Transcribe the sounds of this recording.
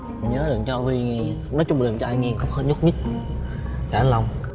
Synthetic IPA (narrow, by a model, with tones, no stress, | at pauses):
ɲəː˨˦ɗɨ˨˩əŋt͡ɕɔ˧vi˧ŋ˨˧˩nɔ˨˦t͡ɕʊ˧ŋ͡mɗi˨˩əmt͡ɕɔ˧aː˧jŋi˧əŋkɔ˨˦˥wŋ͡mhəː˦˩n̚ɲʊ˦˥k͡p̚ɲi˦˥t̚ | kaː˧˩˨la˧wŋ͡m